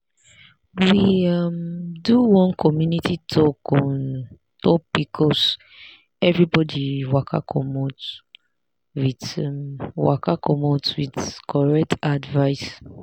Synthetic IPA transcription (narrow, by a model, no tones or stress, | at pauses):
wiamduwɔ̃nkʰɔmjunitʰitʰɔkɔ̃n | tʰɔk̚b̥ikʰɔs | ɛvɹibɔdiwakʰa̰kʰɔmot | wid | wa̰kakʰɔmotwidkʰɔɹɛk̚tadvaɪs